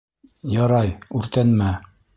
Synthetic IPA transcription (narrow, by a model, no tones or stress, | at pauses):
jɑɾɑjʉɾt̪ænmæ